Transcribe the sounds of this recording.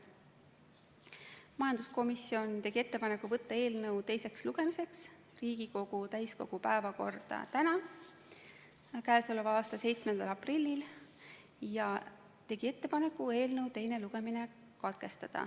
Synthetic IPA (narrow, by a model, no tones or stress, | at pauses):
mɑjɑnd̪̥usko̞misːio̞nt̪e̞ɡ̥ie̞t̪ːe̞pɑnekːˑuvɤt̪ːɑe̞ːlnɤwt̪e̞jse̞ksluɡ̥e̞mise̞ks | riːɡ̥iko̞ɡ̥ut̪æjsko̞̰ɡ̥upæe̞vɑko̞rd̪̥ɑ̰t̪ænɑ | kæesolovɑːst̪ɑse̞jt̪smend̪̥ɑlɑprilʲːil | jɑ | t̪e̞ɡ̥ie̞t̪ːe̞pɑne̞kːˑue̞ːlnɤwt̪e̞jne̞luɡ̥e̞mine | kɑt̪̚ke̞st̪ɑd̪̥ɑ̰